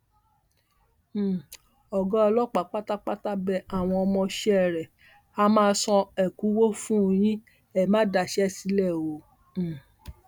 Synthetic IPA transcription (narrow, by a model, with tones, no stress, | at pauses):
ɔ˨ɡɔ̃˦ɔ˧lɔ˦k͡pa˨k͡pa˦ta˦k͡pa˦ta˦bɛ˧a˨w̃ɔ̃˧ɔ˧mɔ̃˧ʃɛ˦˨ɾɛ˨ | a˦mãː˦˧˦sɔ̃˧ɛ˨ku˨˦wo˦fũ˦˧j̃ĩ˦ | ɛ˦˨mã˦da˧˨ʃɛ˦si˧˦lɛ˦˨õ˨˦˨